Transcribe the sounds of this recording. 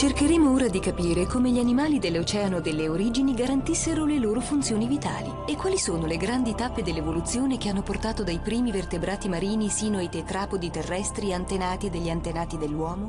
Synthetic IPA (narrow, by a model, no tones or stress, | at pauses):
t͡ʃerkeɾeːmooːɾad̪ikapiːɾekomeʎianimaːlid̪elːot͡ʃɛːanod̪elːeoɾiːd͡ʒiniɡaɾant̪isːeɾoleloːɾofunt̪sjoːnivit̪a̰ːliekːwaːlisoːnoleɡɾand̪it̪apːed̪elːevolut̪sjoːnekeanːoport̪aːt̪od̪ajpɾiːmivert̪ebɾaːt̪imaɾiːnisiːnoajt̪et̪ɾaːpod̪it̪erːɛst̪ɾiant̪enaːt̪id̪eʎːiant̪enaːt̪id̪elːwɔːmo